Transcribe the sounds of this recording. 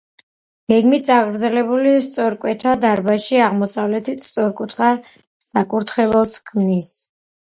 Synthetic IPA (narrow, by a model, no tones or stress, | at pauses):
ɡ̥ɛɡmit̪̚sʼaɡɾd̪zɛlɛbulis̬t̪sʼɔɾkʼwɛt̪ʰad̪aɾbaʃiaʁmɔsavlɛt̪ʰit̪t̪sʼɔɾkʼut̪ʰχa | sakʼuɾt̪ʰχɛlˠɔskʰmnis